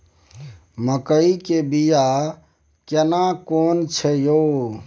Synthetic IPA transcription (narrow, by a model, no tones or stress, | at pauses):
məkəikebija | kenakont͡ʃʰɛjo